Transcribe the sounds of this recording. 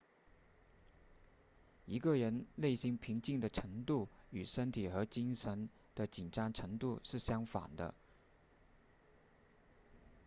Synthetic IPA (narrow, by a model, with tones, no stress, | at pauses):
i˧˥ɡə˧ɻə˧˥nle˥˩ɪɕi˧˥ŋpʰi˧˥ŋt͡ɕi˥˩ŋd̪ə˩ʈ͡ʂʰɤ˧˥ŋt̪u˥˩y˨˩ʂə˥nt̪ʰi˨˩xɤ˧˥t͡ɕi˥ŋʂə˧˥n | d̪̥ə˧t͡ɕi˨˩nʈ͡ʂɑ˥ŋʈ͡ʂʰɤ˧˥ŋt̪u˥˧ʂɻ̩˥˩ɕjɑ˥ŋfa̰˨˩nd̪ə̰˦